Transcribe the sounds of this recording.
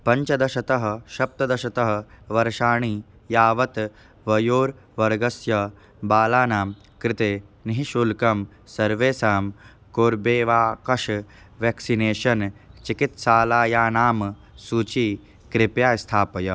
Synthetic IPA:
pɐɲt͡ʃɐd̪ɐʃɐt̪ɐɦɐ̆ʃɐp̚t̪ɐd̪ɐʃɐt̪ɐɦɐ̆ʋɐɾʃaːɳiː | jaːʋɐt̪ | ʋɐjoːɾ | ʋɐɾɡɐsjɐ | baːlaːnaːm | kɾɪt̪eːniɦiʃulkɐm | sɐɾʋeːsaːm | koːɾbeːʋaːkɐʃ | ʋeːksineːʃɐnt͡ʃikit̪ʃaːlaːjaːnaːm | suːt͡ʃiː | kɾɪpjaːst̪ʰaːpɐjɐ

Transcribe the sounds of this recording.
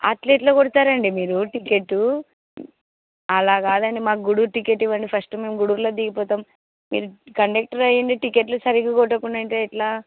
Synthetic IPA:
a̰ːʈleːʈloːkoɽut̪aːɾɐɳɖimiːɾuʈikeʈːu | ɐlaːɡaːd̪ɐnimaːkuɡuɽuɾʈikeʈːiʋɐɳɖipʰɐsʈume̞ːmɡuɽuːɾloːd̪iɡipɔːt̪aːm | mḭːɾukɐɳɖek̚ʈɐɾɐjɐɳɖiʈikeʈlusɐɾikuɡɔʈːɐkuɳɖɐɳʈeːiʈlaː

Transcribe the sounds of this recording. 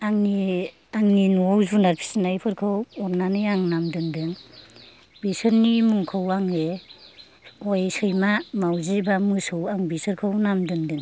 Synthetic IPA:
aŋni | aŋninuɔwzunaɾpʰi̥sinajpʰɯɾkʰɯwɔɾnanɯjaŋnamdɯŋdɯŋ | bisɯɾnimuŋkʰɯwaŋe | ɔjsɯjmamawzibamɯsɯwaŋbisɯɾkʰɯwnamdɯŋdɯŋ

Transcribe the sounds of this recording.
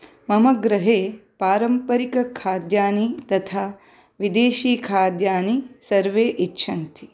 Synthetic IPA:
mɐmɐɡɾɐɦeːpaːɾɐmpɐɾikɐkʰaːd̪jaːnit̪ɐt̪ʰaː | ʋid̪eːʃiːkʰaːd̪jaːnisɐɾʋeːʔitːʃʰɐnt̪i

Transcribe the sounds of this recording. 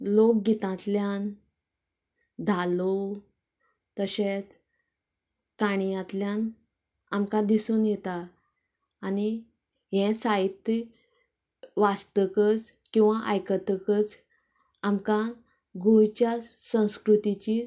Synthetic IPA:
lok̚ɡit̪ãt̪ljan | d̪ʱalo | t̪əɕet͡s | kaɽ̃ijãt̪ljan | amkãd̪isuːnjɛt̪aː | ni | ɦɛ̃sait̪ː | ʋast̪əkət͡s | kĩw̃ʋaʔajkət̪əkət͡s | amka | ɡujt͡ɕjasə̃w̃skɾut̪it͡ɕi

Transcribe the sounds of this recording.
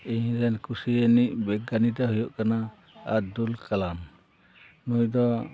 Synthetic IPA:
iɲɾɛnkusiəniʔ̚bɛɡanit̪ɛɦujɔʔkana | a̰d̪ulkalam | nujd̪ɔ

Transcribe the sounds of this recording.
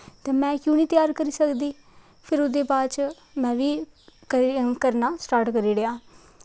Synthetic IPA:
t̪ɛ̃ːmɛ̃ːkjũːniːt̪jaːɾkəɾiːsəkd̪iː | pʰɪɾod̪eːbaːt͡ʃ | mɛ̃ːʋiː | kəɾnaːsʈaːɾʈkəɾiːɾəaː

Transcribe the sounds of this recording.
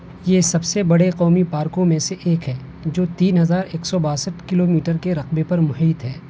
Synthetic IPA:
jeːsɐbsebɐɽeqɔːmipaːɾkõmẽseʔeːkɦɛː | d͡ʒoːt̪iːnɦɐzaːɾeːksɔbaːsəʈkɪloːmiːʈəɾkeɾɐqbepɐɾmʊɦiːt̪ɦɛː

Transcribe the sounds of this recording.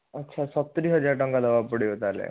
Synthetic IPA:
ətːɕʰasət̪ːɾiːɦəd͡ʑaɾʈəŋɡad̪əʋabpuɽiət̪alḛ

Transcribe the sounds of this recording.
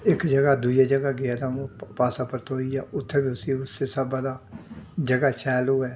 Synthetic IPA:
ɪkd͡ʒəɡaːd̪uːd͡ʒaːd͡ʒəɡaːɡɪaːt̪aːõːpaːsaːpəɾt̪oːiːa̰ːʔʊt̪ʰːeːbiːʊsĩːʊseːsəbad̪aːd͡ʒəɡaːʃɛːloːɛː

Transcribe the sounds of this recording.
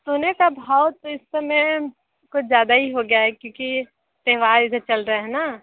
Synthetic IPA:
soːnekabʱaːʊt̪oɪsːemẽ | kʊt͡ʃʰzjaːd̪aɦiɦoɡejaɦɛkjõːki | t̪ɛɦʋaːɾɪset͡ʃɐlɾəeɦɛna

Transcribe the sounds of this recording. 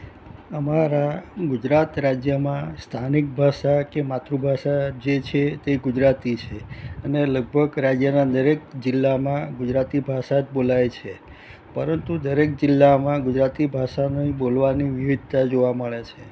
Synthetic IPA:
əmaɾaɡud͡ʒɾat̪ɾad͡ʒjəmãst̪ʰanik̚bʱaʃakemat̪ɾubʱaʃad͡ʒet͡ʃʰet̪eɡud͡ʒɾat̪it͡ʃʰeəneləɡ̚bʱəɡɾad͡ʒjənad̪əɾekd͡ʒɪlːamãɡud͡ʒɾat̪ibʱaʃat̪bolajt͡ʃʰe | pəɾənt̪ud̪əɾek̚d͡ʒɪlːamãɡʊd͡ʒɾat̪ibʱaʃanibolʋaniʋiʋid̪̚ʱt̪ad͡ʒoʋaməɭet͡ʃʰe

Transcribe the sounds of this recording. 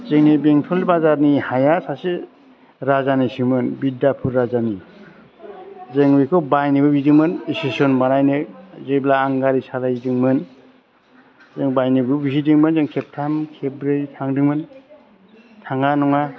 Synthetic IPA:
zeŋnibeŋtʰɔlbazaɾnihajasase | ɾazanisimɯnbidapʰuɾːazani | zeŋbekʰobajnibɯbidiŋmɯnisesonbanajnɯzɯjblaːŋɡaɾisalajdɯŋmɯn | zeŋbajnibɯbisidiŋmɯnzeŋkʰep̚tʰamkʰebɾeɾitʰaŋdɯŋmɯn | tʰaŋanɔŋa

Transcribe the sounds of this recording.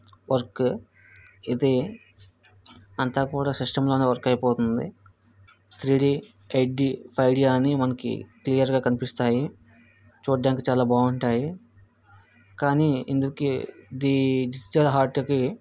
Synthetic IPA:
ʋɐɾk | id̪i | ɐnt̪aːkuːɽaːsiʂʈɐmloːneːʋɐɾkɐjpoːt̪und̪ḭ | t̪ʰɾiːɽi | ejʈɖipʰɐjɖijaːnimɐnɐkḭklijɐɾɡaːkɐnipist̪aːji | t͡ʃoːʈ̚ɖjaːŋkt͡ʃaːlaːbaːɡuɳʈaːji | kaːniḭnd̪ukid̪id͡ʒid͡ʒiʈɐlɦaːɾʈki

